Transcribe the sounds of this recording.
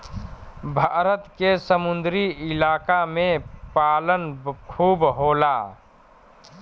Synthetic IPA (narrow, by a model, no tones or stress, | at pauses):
bʱaːɾət̪kesəmʊnd̪ɾiɪlaːkamẽpaːlənkʰuːbɦoːlaː